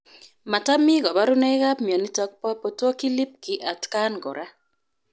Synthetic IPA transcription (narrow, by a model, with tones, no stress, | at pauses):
ma˨ta˦mɪ˦ɡɔ˨ba˦ɾʊ˦nɛ˦ɣa˦pmjɔ˨ni˦tɔ˦k̚pɔ˦po˨tɔ˦ki˦li˦p̚kɪ˨ʔa˨tka˦nɡɔ̰˨ɾa˦